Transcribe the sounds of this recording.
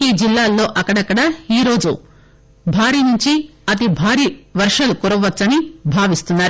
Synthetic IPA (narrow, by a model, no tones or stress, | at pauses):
iːd͡ʒilːaːlːo̞ːʔɐkːɐɽɐkːɐɽɐiːɾo̞ːd͡ʒṵ | bʱaːɾiːnuɲt͡ʃiɐt̪̬ibʱaːɾiːʋɐɾʂɐlukuɾɐʋʋɐt͡ʃsːɐnibʱaːʋist̪unːaːɾu